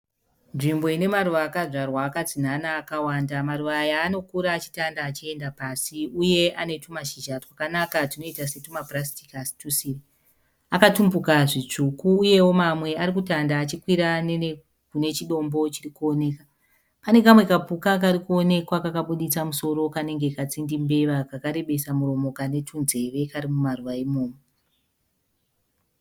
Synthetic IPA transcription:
nʐimbo̞ine̞maɾuʋaːkaʐarwaːkat͡sinanaːkawandamaruʋajaːno̞kuɾaːt͡ʃi̥tandaːt͡ʃie̞ndapasiuje̞ane̞tumaʃiʒatwakanakatino̞itase̞tumaprastikasi̥tusiri | akatumbukaʐit͡ʂukuːje̞wo̞mamwe̞aɾikutandaːt͡ʃikwiɾane | kune̞t͡ʃiɗo̞mbo̞t͡ʃirikuo̞ne̞ka | pane̞kamwe̞kapukak̬aɾikuo̞ne̞kwakakaɓuɗit͡samuso̞ɾo̞kane̞ŋɡe̞kat͡sindimbe̞ʋakakaɾe̞ɓe̞samuro̞mo̞kane̞tʰunze̞ʋe̞kaɾimumaruʋaimo̞ːmo

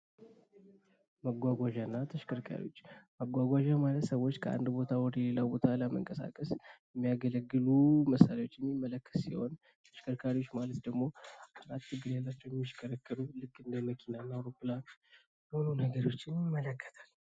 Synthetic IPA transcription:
məɡʷaɡʷaʒanːat̪ʰəʃkʰəɾkʰa̰ɾḭwo̞̰t͡ʃːməɡʷaɡʷaʒamalət̪səwot͡ʃːkʰəʔa̰nd̪bo̞t̪ʰawɔd̪əjɛlelawbo̞t̪ʰaləmə̰ŋkʼəsa̰kʼəsjɛmːijaɡələɡːɨluməsalawo̞t͡ʃːjɛnːimːələkːə̥ssiho̞̰n | t̪ʰəʃkʰəɾkʰaɾiwo̞t͡ʃːmalət̪d̪əɡmo̞aɾat̪ːɨɡːɨɾjalːat͡ʃːɛwjɛmːiʃkʰʼəɾəkːəlulɨkʼːɨnd̪əməkʰinanːaawɾopːɨlan | olunəɡəɾo̞t͡ʃːɪnjɪmːələkːə̥t̪ʰḁl

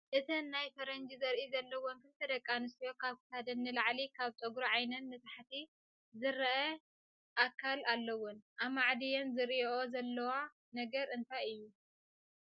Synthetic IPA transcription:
ʔɨt̪ʰinːajfɐɾɐnd͡ʒizɐɾʔizɐlːɐwonkʰɨnt̪ʰɐd̪ɐkʼːanɨst̪ijo̞kʰaβkʰɨ̥t̪ʰad̪ɐnːɨlaʕlikʰaβt͡ʃʼɐɡɾoʕajnɐnmɐt̪ʼaħt̪ʰi | zɨɾɐʔɐ | ʔakʰːalalːɐwʊnʔamaʕd̪ijɛnzɨɾiʔo̞zɐlːɐwa | nɐɡɐɾɨnt̪ʰajɨjːu

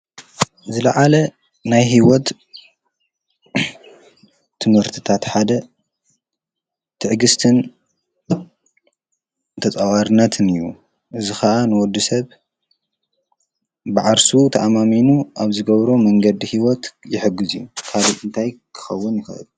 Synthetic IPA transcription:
zɨlɐʕalɐ | najɦiwɔt̪ | ɨmhɨɾt̪ʰɨ̥t̪ʰat̪ħad̪ɐ | t̪ʰɨʕɡɨst̪ʰɨn | t̪ʰɐt͡sʼawaɾɨnːɐt̪ʰɨnɨjːu | ʔɨzixɐʔanɨwɔd̪ːisɐβ | bɨʕaɾsut̪ʰɐʔamaminuʔaβzɨɡɐβɾomɐŋɡɐd̪ihiwɔt̪jɪħɨɡːɨzijːukʰaliɨnt̪ʰajkʰɨ̥xɐwːʊnjɪxɐ̰ɨ̰lu

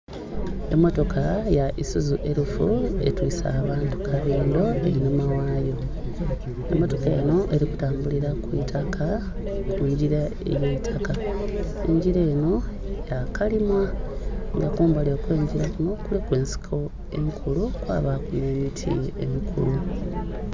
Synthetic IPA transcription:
e̞mːo̞to̞kʰajaʔisuzuʔe̞ɾufue̞̰twiːsa̰ːβaːntu̥kʰaβiːndo̞e̞ɾinumawaːjo̞ | e̞mːo̞to̞kḛno̞ʔe̞ɾiku̥taːmbuliɾakwitʰakʰa | kuɲɟiɾa | ḛjeitʰaka | e̞ɲɟiɾe̞ːno̞ | jakʰalimaŋɡakuːmbalekwe̞ːɲɟiɾakuno̞kulikwe̞ːnsi̥kʰo̞ | e̞ŋkʰulukwa̰ːβakwiiβitʰḭemikʰulu

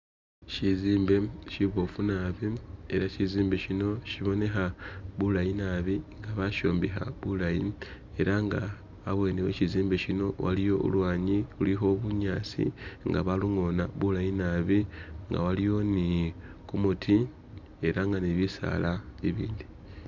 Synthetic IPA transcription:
ciziːmbe̞ʃiβo̞funaβie̞̰ɾaciziːmbe̞ʃino̞ʃiβo̞ne̞xaβulajinaβiŋɡaβaʃo̞̰ːmbixa̰βulaji | e̞ɾaŋɡaː | βwe̞ːneweciziːmbe̞cino̞wʔa̰lijo̞ʔṵlwaːɲiṵlixo̞βuɲaːt͡sḭŋɡaβaluŋo̞naβulajinaβiŋɡa̰walijo̞ni | kumutʰi | e̞ɾaŋɡaniβisa̰laiβḭːndi

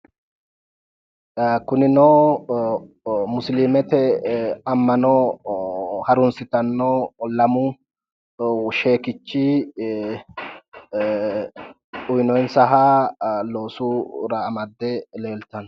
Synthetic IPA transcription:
kʊnɪnoː | mʊslimɛt̪ɛɐmːɐnɔː | hɐɾʊnsɪt̪ɐnːolɐmʊ | ʃe̞ːkɪt͡ʃːi | ʔʊjnɔjnsɐɦalo̞ːsuɾɐːmɐd̪ːɛle̞ːlt̪ːɐn

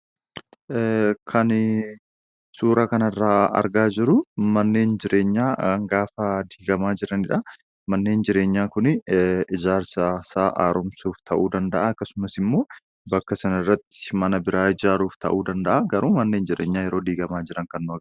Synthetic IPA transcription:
kʰɐn | suːɾakɐnɐrːaːɐ̰ɾɡaːd͡ʒɪɾʊmɐnːe̞ːnd͡ʒɪɾʔe̞ːɲːaːŋɡaːfɐd̪iːɡɐmaːd͡ʒɪɾɐnɪᶑɐ | mɐnːe̞ːnd͡ʒɪɾe̞ːɲːaːkʊnɪd͡ʒaːɾsasaːʔaːɾɔmsuːft̪ʰɐʔuːd̪ɐnd̪ɐʔaɐkːɐsʊmɐsɪmːo̞ː | bɐkːɐsɐnɪrːɐt̪ːɪ̥mɐnɐbɪɾaːɪd͡ʒaːɾuːft̪ɐ̰ʔuːd̪ɐnd̪ɐʔɐɡɐɾuːmɐnːe̞ːnd͡ʒɪɾeːɲːaːjɛɾo̞ːd̪iːɡɐmaːd͡ʒɪɾɐŋkɐnːʊɐɡ

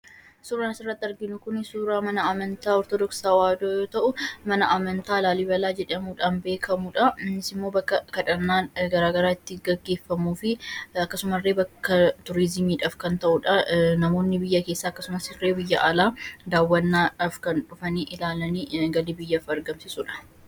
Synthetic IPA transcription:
suːɾaːnɐsɪrːɐt̪ːɪɐɾɡɪnʊkʊnɪsuːɾaːmɐnɐɐmɐnt̪aːɔɾt̪ɔd̪ɔksaːwaːd̪oːjoːt̪ɐʔʊmɐnɐʔɐmɐnt̪aːlaːlɪbɐlaːd͡ʒɛᶑɐmuːᶑaːnbe̞ːkʰɐmuᶑɐnɪsɪmːo̞ːbɐkːɐkɐᶑɐnːaːnɡɐɾaːɡɐɾaːɪt̪ːɪɡɐɡːe̞ːfːɐmuːfɪɐkːɐsʊmɐrːeːbɐkːɐt̪ʊɾɪzɪmiːᶑaːfkɐnt̪ɐʔʊᶑɐnɐmo̞ːnːɪbɪjːɐke̞ːsːaːɐkːɐsʊmɐsɪrːeːbɪjːɐʔɐlaːd̪aːwːɐnːaːɐfkɐnᶑʊfɐniːʔɪlaːlɐniːɡɐlɪbɪjːɐfɐɾɡɐmsɪsʊᶑɐ̥

